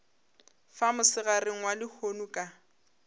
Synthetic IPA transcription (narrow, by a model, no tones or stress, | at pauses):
famʊsɪɣareŋ̩walɪhonukʼa